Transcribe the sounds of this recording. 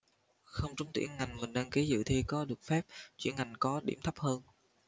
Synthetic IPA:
xə˧wŋ͡mt͡ɕʊ˨˦ŋ͡mt̪ḭ˧˩ənŋa˨˩jŋmï˨˩ŋ̟ne˧nki˨˦zɨ̰˧˨t̪ʰi˧kɔ˨˦ɗɨ˨˩ək̚fɛ˦˥p̚t͡ɕwḭ˧˩ənŋa˨˩jŋ̟kɔ˨˦ɗḭ˧˩əmt̪ʰə˦˥p̚həː˧n

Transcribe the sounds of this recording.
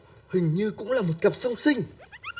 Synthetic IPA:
hï˨˩ŋ̟ɲɨ˧kʊ̰˧˥ŋ͡mlaː˨˩mo˨˩t̚kə˨˩p̚zə˧wŋ͡msï˧ŋ̟

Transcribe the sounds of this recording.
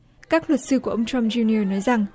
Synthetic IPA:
kaː˦˥k̚lwə˨˩t̚sɨ˧ku˧˩əʔə˧wŋ͡mt͡ɕɔ˧mzi˧ni˧nɔ˨˦jza˨˩ŋ

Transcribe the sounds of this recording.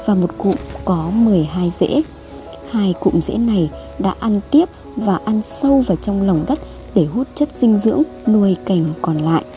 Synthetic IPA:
vaː˨˩mo˨˩t̚kṵ˧˨ŋ͡mkɔ˨˦mɨ˨˩əjɦaː˧jzḛ˧˥ | haː˧jkṵ˧˨ŋ͡mzḛ˧˥na˨˩j | ɗa̰ː˧˥ʔa˧nt̪i˦˥əp̚ | vaː˨˩ʔa˧nsə˧wvaː˨˩t͡ɕɔ˧wŋ͡mlə˨˩wŋ͡mɗə˦˥t̚ | ɗe˧˩ɦu˦˥t̚t͡ɕə˦˥t̚sï˧ŋ̟zɨ̰˧˥əŋ | nu˧əjka˨˩jŋ̟kɔ˨˩nla̰ː˧˨jʔ

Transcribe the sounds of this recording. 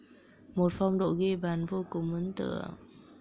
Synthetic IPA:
mo˨˩t̚fɔ˧wŋ͡mɗo̰˧˨ɣe˧ɓaː˨˩˦nvo˧kʊ˨˩ŋ͡mmə˨˦nt̪ɨ̰˧˩ə

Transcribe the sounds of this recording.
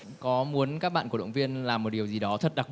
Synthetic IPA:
kɔ˨˦mu˨˦ənkaː˦˥k̚ɓa̰ː˧˨nu˧˩əə̰˧˩wŋ͡mvi˧ənlaː˨˩mːo˨˩t̚ɗi˨˩əwzi˨˩ɗɔ˨˦t̪ʰə˨˩t̚ɗa˨˩k̚

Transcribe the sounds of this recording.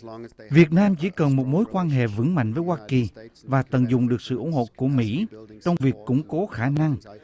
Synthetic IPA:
vi˨˩ət̚naː˧mt͡ɕi˧˩˦kə˨˩nmo˨˩t̚mo˨˦jkwaː˧nɦḛ˧˨vɨ˧˥ŋma̰˧˨jŋ̟vəː˨˦jwaː˧ki˨˩vaː˨˩t̪ə˨˩nzʊ˨˩ŋ͡mɗɨ˨˩ək̚sɨ̰˧˨ʔʊ˧˥nho̰˧˨ku˧˩əmḭ˧˥t͡ɕɔ˧wŋ͡mvi˨˩əkːʊ̰˧˥ŋ͡mko˨˦xaː˧˩na˧ŋ

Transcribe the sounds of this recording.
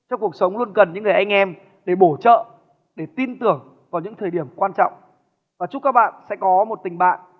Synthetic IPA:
t͡ɕɔ˧wŋ͡mku˨˩ək̚sə˨˦wŋ͡mlu˧ənkə˨˩nɲɨ̰˧˥ŋːɨ˨˩ə˩jʔa˧jŋ̟ʔɛ˧m | ɗe˧˩ɓo˧˩t͡ɕə̰ː˧˨ | ɗe˧˩t̪i˧nt̪ɨ˨˧˩əŋ | kɔ˨˩˦ɲɨ̰˧˥ŋt̪ʰəː˨˩jɗi˧˩əmkwaː˧nt͡ɕɔ̰˧˨wŋ͡m | vaː˨˩t͡ɕu˦˥kaː˦˥k̚ɓa̰ː˧˨nsɛ̰˧˥kɔ˨˦mo˨˩t̚t̪ï˨˩ŋ̟ɓa̰ː˧˨n

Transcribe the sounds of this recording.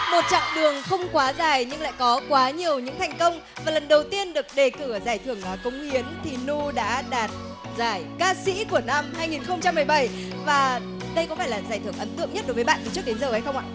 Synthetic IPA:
mo˨˩t̚t͡ɕɔ̰˧˨wŋ͡mɗɨ˨˩əŋxə˧wŋ͡mkwaː˨˦zaː˨˩jɲɨ˧ŋla̰ː˧˨jkɔ˨˦kwaː˨˦ɲi˨˩əwɲɨ̰˧˥ŋt̪ʰɛ˨˩jŋ̟kə˧wŋ͡m | vaː˨˩lə˨˩nɗə˨˩wt̪i˧ənɗɨ˨˩ək̚ɗe˨˩kɨ˧˩zaː˨˧˩jt̪ʰɨ˧˩əŋʔaː˨˩kʊ˨˦wŋ͡mhi˨˦ənt̪ʰi˨˩nu˧ɗa̰ː˧˥ɗaː˨˩t̚ | zaː˧˩jkaː˧sḭ˧˥ku˧˩əna˧mɦaː˧jŋi˨˩nxə˧wŋ͡mt͡ɕa˧mːɨ˨˩əjɓə˧˩j | vaː˨˩ | ɗə˧jkɔ˨˦faː˧˩jlaː˨˩zaː˧˩jt̪ʰɨ˧˩əŋʔə˨˦nt̪ɨ̰˧˨əŋɲə˦˥t̚ɗo˨˦jvə˨˦jɓa̰˧˨nt̪i˨˩t͡ɕɨ˦˥ək̚ɗe˨˦nzəː˨˩ʔə˨˦jxə˧wŋ͡mʔa̰ː˧˨

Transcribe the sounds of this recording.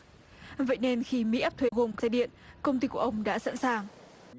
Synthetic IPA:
və̰˧˨jne˧nxi˧mḭ˧˥ʔaː˦˥p̚t̪ʰwe˨˦ɣo˨˩mka˧ɗḭ˧˨ənkə˧wŋ͡mt̪i˧˩ku˧˩əʔə˧wŋ͡mɗa̰ː˧˥sa̰ː˧˥nsaː˨˩ŋ

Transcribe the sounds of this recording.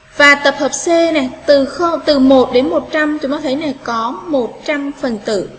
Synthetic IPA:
vaː˨˩t̪ə˨˩p̚həː˨˩p̚se˧nɛ˨˩t̪ɨ˨˩xə˧wt̪ɨ˨˩mo˨˩t̚ɗe˨˦nmo˨˩t̚t͡ɕa˧mt͡ɕʊ˨˦ŋ͡mɔ˧˦t̪ʰə˨˦jnɛ˨˩kɔ˨˦mo˨˩t̚t͡ɕa˧mfə˨˩nt̪ɨ̰˧˩˨

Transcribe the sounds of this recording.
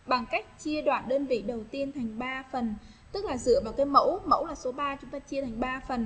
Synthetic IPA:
ɓa˨˩ŋka˦˥jk̟̚t͡ɕi˧əɗwaː˨˩nɗəː˧nvḭ˧˨ɗə˨˩wt̪i˧ənt̪ʰa˨˩jŋ̟ɓaː˧fə˨˩n | t̪ɨ˦˥k̚laː˨˩zɨ̰˧˨əvaː˨˩wkaː˨˦jmə̰˧˥wmə̰˧˥wlaː˨˩so˨˦ɓaː˧t͡ɕʊ˨˦ŋ͡mt̪aː˧t͡ɕi˧ət̪ʰa˨˩jŋ̟ɓaː˧fə˨˩n

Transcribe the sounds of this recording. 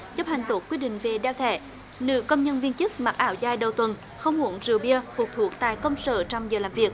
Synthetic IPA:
t͡ɕə˦˥p̚ha˨˩jŋ̟t̪o˨˦˥k̚ːwi˧əɗḭ̈˧˨ŋ̟ve˨˩ɗɛ˧wt̪ʰɛ̰˧˩˨ | nɨ̰˧˥kə˧wŋ͡mɲə˧nvi˧nt͡ɕɨ˦˥k̚ma˨˩k̚ʔaː˧˩wzaː˧˩jɗə˨˩wt̪wə˨˩n | xə˧wŋ͡mmu˧˩ənzɨ˨˩ɓi˧əfu˨˩k̚t̪ʰu˨˩ək̚t̪a̰ː˧˨jkə˧wŋ͡msə̰ː˧˨t͡ɕa˧mzəː˨˩la̰ː˧˨mvi˨˩ək̚

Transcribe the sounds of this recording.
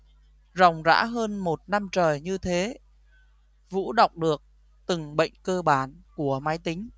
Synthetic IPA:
za˨˩wŋ͡mza̰ː˧˥ɦəː˧nmo˨˩t̚na˧mt͡ɕəː˨˩jɲɨ˧t̪ʰe˨˦ | vṵ˧˥ɗa˨˩wk͡p̚ɗɨ˨˩ək̚ | t̪ɨ˨˩ŋɓə̰˧˨jŋ̟kəː˧ɓaː˧˩nku˧˩əmaː˨˦jt̪ï˨˦ŋ̟

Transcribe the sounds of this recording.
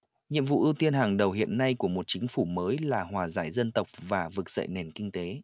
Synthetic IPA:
ɲḭ˧əmvṵ˧˨ʔi˧wt̪i˧ənɦaː˨˩ŋɗə˨˩wɦḭ˧˨ənːa˧jku˧˩əmo˨˩t̚t͡ɕï˨˦ŋ̟fu˧˩məː˨˦jlaː˨˩ɦwaː˨˩za̰ː˧˩jzə˧nt̪ə˨˩wk͡p̚vaː˨˩vɨ˨˩k̚z̥ə̰˧˨jne˨˩nkï˧ŋ̟t̪e˨˦

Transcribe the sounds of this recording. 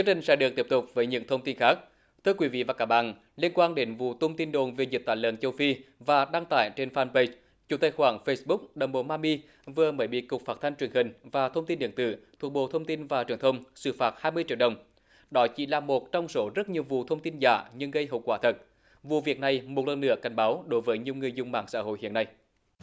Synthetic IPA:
i˦˥t͡ɕï˨˩ŋ̟sɛ̰˧˥ɗɨ˨˩ək̚t̪i˦˥əp̚t̪ʊ˨˩k͡p̚vəː˨˦jɲɨ̰˧˥ŋt̪ʰə˧wŋ͡mt̪i˧nxaː˦˥k̚ | t̪ʰɨ˧əkwi˨˦vḭ˧˨vaː˨˩kaː˦˥k̚ɓa̰ː˧˨n | li˧ənkwaː˧nɗe˨˦nvṵ˧˨t̪ʰə˧wŋ͡mt̪i˧nɗo˨˩nve˨˩zi˨˩t̚t̪aː˧˨jlə̰˧˨nt͡ɕə˧wfi˧vaː˨˩ɗa˧ŋt̪a̰ː˧˩˨jt͡ɕe˧nfaː˧npə˧ | t͡ɕu˨˧˦t̪ə˧˩xwaː˧˩ŋfə˧sɓʊ˦˥k͡p̚ɗə˨˩wŋ͡mɓo˧˩maː˧mi˧ | vɨ˨˩əməː˨˦jɓḭ˧˨kʊ˨˩k͡p̚faː˦˥t̚t̪ʰa˧jŋ̟t͡ɕwi˧˩ənhï˨˩ŋ̟vaː˨˩t̪ʰə˧wŋ͡mt̪i˧nɗɨ˨əŋt̪ɨ̰˧˨t̪ʰu˨˩k̚ɓo̰˧˨t̪ʰə˧wŋ͡mt̪i˧nvaː˨˩t͡ɕwi˨˩ənt̪ʰə˧wŋ͡msɨ̰˧˩faː˨˩t̚haː˧jmɨ˧əjt͡ɕḭ˧˨əɗə˨˩wŋ͡m | ɗɔ˨˦t͡ɕḭ˧˩˦laː˨˩mo˨˩t̚t͡ɕɔ˧wŋ͡mso˨˦zə˦˥t̚ɲi˨˩əwvṵ˧˨t̪ʰə˧wŋ͡mt̪i˧nza̰ː˧˩ɲɨ˧ŋɣə˧jɦə̰˧˨wkwaː˧˩t̪ʰə˨˩t̚ | vṵ˧˨vi˨˩ək̚na˨˩jmo˨˩t̚lə̰˨˩nːɨ̰˧˥əka˨˩jŋ̟ɓaː˨˦wɗo˨˦jvəː˨˦jɲi˨˩əwŋɨ˨˩əjzʊ˧wŋ͡mma̰ː˧˩˨ŋsa̰ː˧˥ɦo̰˧˨jhḭ˧˨ənːa˧j

